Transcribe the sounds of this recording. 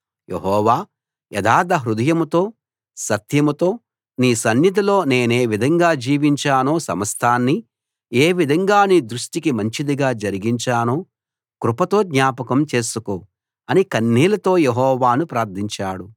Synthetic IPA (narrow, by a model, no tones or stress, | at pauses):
jʔḛɦɔːʋaː | ɛd̪aːd̪ɐɦɾud̪ɐjɐmut̪o̞ː | sɐt̪jɐmut̪o̞ː | niːsɐnjid̪ɐlo̞ːne̞ːne̞ːʋid̪ʱɐŋɡaːd͡ʒiːʋiɲt͡ʃaːnoːsɐmɐst̪ʰaːnːi | eːʋid̪ʱɐŋɡaːniːd̪ɾuʂʈikimɐɲt͡ʃid̪iɡaːd͡ʒɐɾiɡiɲt͡ʃaːnoː | kɾupɐt̪o̞ːd̪ɲaːpɐkɐmt͡ʃe̞ːsukoː | ɐnikɐnːiːlɐt̪o̞ːjeɦɔːʋaːnupɾaːɾt̪ʰiɲt͡ʃaːɽu